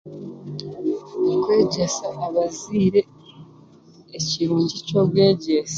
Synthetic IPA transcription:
kwe̞ːɟe̞saʔːβaziːɾe̞ | ciɾuːɲɟico̞bɡwe̞ːɟesa

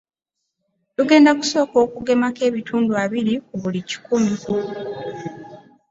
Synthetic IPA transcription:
luɡe̞ːndaku̥so̞ːko̞ːkuɡe̞make̞ːβituːnduaβiɾioβulici̥kumiku

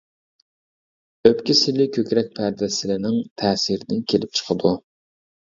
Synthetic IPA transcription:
øpkʲisɪlɪkʲʰøkʲɾɛk̚ʲpʰæɾd̪ɛsɪlɪnɪŋt̪ʰɛːsiɾɪnɪkʲʰelɪp̚t͡ʃʰə̥qʰəd̪u

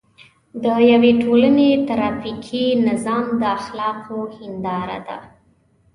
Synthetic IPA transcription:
d̪əjaweʈʰolənet̪aɾɑfikʰinɪzɑmd̪əaxlɑqʰohɪnd̪ɑɾa̰d̪a̰

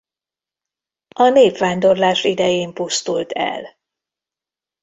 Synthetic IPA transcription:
ʔɒneːpʋaːnd̪o̞rlaːʃid̪ɛjeːmpust̪ult̪ʰɛ̰l

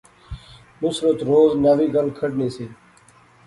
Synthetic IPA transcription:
mʊsɾət̪ɾoːznəʋiːɡəlkʰəɖneːseː

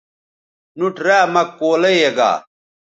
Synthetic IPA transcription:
nuʈɾaːmɐkːoːlɐjeɡa̰ː

